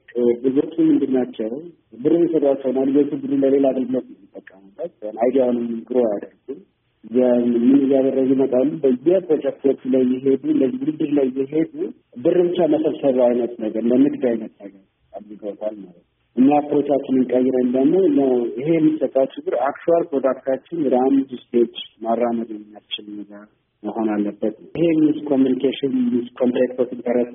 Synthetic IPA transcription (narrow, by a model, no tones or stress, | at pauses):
lɨzot͡ʃʰʼːumːɨnd̪ɨnːat͡ʃːɛw | bɨrːɨmisət̪ʼwat͡ʃːɛwnalɨzot͡ʃɨɡ̪ɨɾuləle̞laɡəlɡɨlo̞t̪ɪmːit̪ʼːəkʼːəmubːət̪anajd̪ijawunɨmɨɡɨɾojad̪ərɡu | ɨzamɨnɨjad̪ərːəɡɪmət̪ʼalːubəjːɛpɾod͡ʒɛk̚t̪ʰot͡ʃulajːɪɦe̞d̪unəjwʊlɨd̪ɨɾlajːɪɦe̞d̪u | bɨrːɨβt͡ʃːaməsəβsəβajnət̪ʼnəɡəɾləmɨɡd̪ajnət̪ʼnəɡəɾ | alːiɡəwt̪ʼalmalət̪n | ʔɨɲːaapʰɾo̞t͡ʃat͡ʃːɪnɨŋkʼəjːɪɾənd̪əɡmo̞nəwɪɦe̞jɛmːisət̪ʼːawt͡ʃɪɡɨɾakt͡ʃuaɾpɾod̪akt̪ʰat͡ʃːɪnɨd̪amd͡ʒ̪ust̪ʰet͡ʃːmarːaməd̪ɛmmijast͡ʃːɪlmɨna | məɦo̞nalːəbːət̪nəhe̞miskʰomjunikʰeʃɪnmiskʰont̪ɾek̪t̪ʰot̪ɨnt̪ʰəɾəs